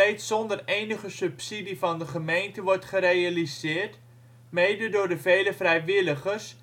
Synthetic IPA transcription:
ejtsɔndərejnəχəsɵpsidifɑndəχəmejntəʋɔrtχəɾejalizɪːrt | mejdədʊːɹdəvejləvrɛjʋɪləχərs

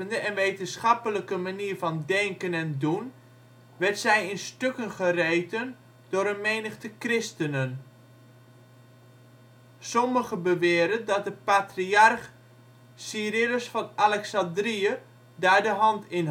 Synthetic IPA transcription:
əndəʔɛnʋejtənsχɑpələkəmaniːɹvɑndɛŋkənɛndun | ʋɛɹtsɛjɪnstøkənχərejtən | d̥ʊːɾənmejnəχtəkrɪstənən | sɔməχəbəʋɪːɾəndɑt̚dəpatriarχ | sirɪləsfɑnalɛksɑndriə | daːɹdəɦɑntʰɪn

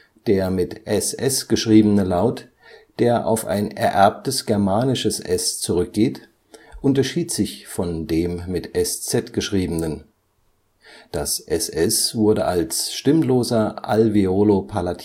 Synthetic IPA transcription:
d̥eːɐmɪtʔɛsʔɛsɡ̥əʃʁ̥iːbənəlaʊt | d̥eːɐʔa̰ʊfa̰ɪnɛ̰ɐʔɛɐp̚təsɡ̥ɛɐmaːnɪʃəsʔɛst͡suʁ̞ʏk̚ɡ̥eːt | ʔʊntɐʃiːtz̥ɪçfɔndeːmːɪtʔɛst͡sɛtɡ̥əʃʁ̥iːbənən | d̥asʔɛsʔɛsv̥ʊɐdəʔalsʃtɪmloːzɐʔalviolopʰalatʰ

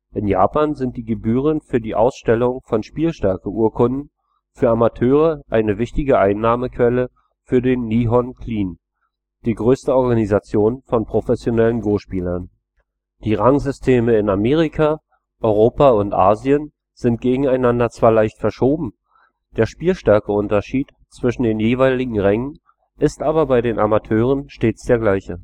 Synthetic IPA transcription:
ʔɪnja̰ːpaːnzɪnt̚d̥iːɡəbyːʁ̞ənfyːɐdiːʔa̰ʊsʃtɛlʊŋfɔnʃpiːlʃtɛɐkəuːɐkʰʊndn̩ | fyːɐamatʰøːʁəʔaɪnəvɪçtɪɡəʔaɪnːaːməkv̥ɛlə | fyːɐdeːnːiːɦɔnkʰliːn | d̥iːɡʁøːstəɔɐɡanizat͡sjoːnfɔnpʁ̥ofɛsjonɛlənɡoːʃpiːlɐn | d̥iːʁaŋzʏstʰeːməɪnameːʁ̞ikʰa | ʔɔʏʁ̞oːpaʊntʔa̰ːziən | z̥ɪnt̚ɡ̥eːɡŋ̩aɪnandɐt͡sv̥aːɐlaɪçtfɛɐʃoːbm̩ | d̥eːɐʃpiːlʃtɛɐkəʊntɐʃiːt | t͡sv̥ɪʃn̩deːnjeːvaɪlɪɡŋ̩ʁɛŋən | ʔɪstʔaːbɐbaɪdeːnʔa̰matʰøːʁənʃteːt͡sd̥eːɐɡlaɪçə

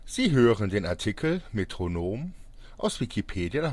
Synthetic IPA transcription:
z̥iːɦøːʁəndeːnaɐtʰikʰəl̩metʁ̥onoːm | ʔaʊsvikʰipʰeːdja

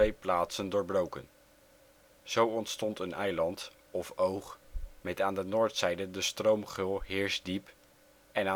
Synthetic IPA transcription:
ejplaːtsəndʊːɹbrowkə̰n | z̥owɔntstɔntənɛjlɑnt | ɔfowχmɛtaːndənʊːɹtsɛjdədəstrowmχɪlˠɦɪːɹzdip | ɛna

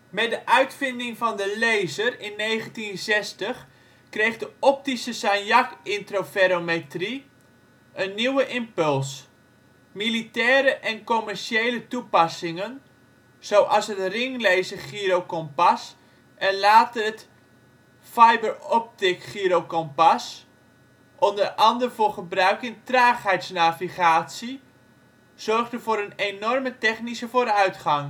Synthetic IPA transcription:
mɛdəʔœɥtfɪndɪŋvɑndəlejzərɪnːejχəntinzɛstəχ | krejχdəɔp̚tisəsanjakɪntrofeɾometri | ʔənːiwəʔɪmpɵlˠs | militɛːɾəʔɛnkomɛrʃejlətupɑsɪŋən | z̥owʔɑsɦətrɪŋlejzəχiɾowkɔmpɑs | ʔɛnlaːtəət | fajbəɹɔp̚tɪkχiɾowkɔmpɑs | ʔɔndərɑndərvʊːrχəbrœɥkɪntraːχɦɛjtsnaːviχaːtsi | z̥ɔrχdəvoːɾənejnɔrmətɛχnisəvoːɾœɥtχɑŋ

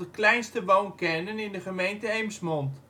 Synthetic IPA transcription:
əklɛjnstəʋownkɛnənɪndəχəmejntəejmsmɔnt

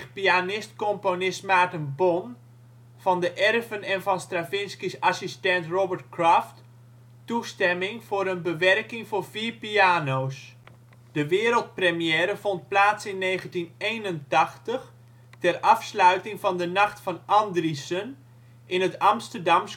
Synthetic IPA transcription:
pianɪstkɔmponɪstmaːtənbon | v̥ɑndəʔɛrvənɛnvɑnstravɪnskisasistɛntrobəɹt̚kraft | tustɛmɪŋvoːɾənbəʋɛrkɪŋvoːrviːrpiaːnows | d̥əʋɪːəɾəlˠt̚prəmijɛːɾəvont̚plaːtsɪnːeːɣəntinejnəntɑxtəx | tɛrɑfslœɥtɪŋvɑndənɑxtfɑnɑndrisən | ʔɪnətɑmstərdɑms

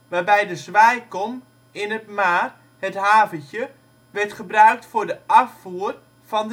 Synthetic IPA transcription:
ʋarbɛjdəzʋɛjkɔn | ɪnətmaːr | hətɦaːvəə | ʋɛrtχəbrœɥk̚tfʊdəʔafuər | fɔnd

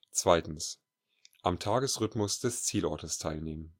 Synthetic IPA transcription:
t͡sv̥aɪtn̩s | ʔamtʰaːɡəsʁʏtmʊsd̥ɛst͡siːlɔɐtəstʰaɪlneːmən

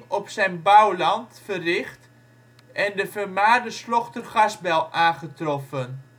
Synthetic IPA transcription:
ɔpsɛjnbœwlɑntfərɪχt | ʔɛndəfərmaːrdəslɔχtərχɑzbɛlˠʔaːnχətrɔfən

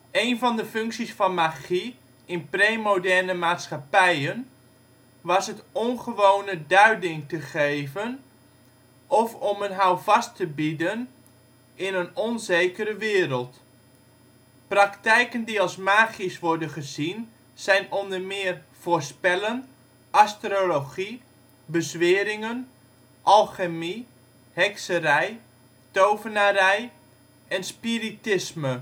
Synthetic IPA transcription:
ejnvɑndəfɵŋksisfɑnmaχi | ɪnpreːmodɛrnəmaːtsχapɛjən | ʋɑsətɔnχəʋownədœɥdɪŋtəχejvən | ɔfɔmənɦawvɑstəbidən | ɪnənɔnzejkəɾəʋɪːrəlˠt | prɑktɛjkəndiɑlˠsmaːχisʋɔɹdənχəzin | z̥ɛjnɔndərmɪːr | v̥oːɹspɛlən | ʔastroloχi | bəzʋɪːəɾɪŋən | ʔɑlˠχəmi | hɛksərɛj | towvənaɾɛj | ʔɛnspiritɪsmə

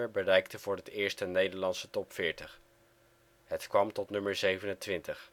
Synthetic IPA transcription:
əɹbərɛjk̚təvʊːɹɦətɪːɹstənejdəɹlɑnsətɔpfɪːɹtəχ | ɦətkʋɑmtɔtnɵməɹzejvənəntʋɪntəχ

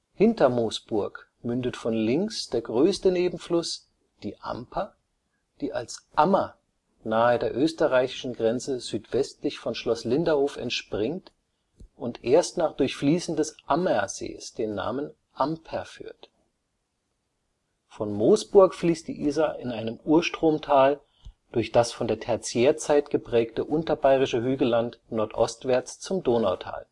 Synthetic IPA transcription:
hɪntɐmoːsb̥ʊɐk | mʏndətfɔnlɪŋksd̥eːɐɡʁøːstəneːbm̩flʊs | d̥iːʔa̰mpʰɐ | d̥iːʔa̰lsʔamɐ | naːədeːɐʔøːstəʁaɪçɪ̥ʃn̩ɡʁɛnt͡səzyːtv̥ɛstlɪçfɔnʃlɔslɪndɐhoːfɛ̰ntʃpʁ̥ɪŋt | ʔʊntʔeːɐstnaːχd̥ʊɐçfliːsn̩dɛsʔamɛɐz̥ḛːsd̥eːnːa̰ːmən | ʔampʰɛɐfy̰ːɐt | fɔnmoːsb̥ʊɐkfliːst̚d̥ḭːʔiːzaʔɪnʔaɪnəmuːɐʃtʁ̥oːmtʰaːl | d̥ʊɐçd̥asfɔndeːɐtʰɛɐt͡sjeːɐt͡saɪtɡ̥əpʁ̥ɛːktəʔʊntɐbaɪʁ̞ɪʃəɦyːɡəlantnɔɐtʔɔ̰stv̥ɛɐt͡st͡sʊmdoːnaʊtʰa̰ːl

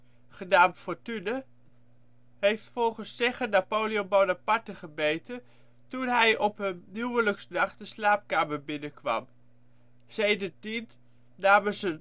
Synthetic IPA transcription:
χənaːmtfɔɹtynə | ɦejftfɔlˠχənsːɛχənapowliobonapɑɹtəχəbejtən | tunɦɛjʔɔpɦənnywələksnɑχdəslaːp̚kaːməɹbɪnəkʋɑ̰m | sejdəɹtin | naːməzə

